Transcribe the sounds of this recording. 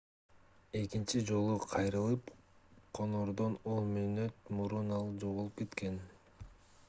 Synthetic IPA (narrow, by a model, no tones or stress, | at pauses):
e̞kint͡ʃid͡ʒo̞lˠuqʰɑjɾɯlˠɯpqʰo̞noɾd̪o̞nonmynøt̪muɾunɑlˠd͡ʒo̞ʁulˠup̚ke̞t̪ke̞n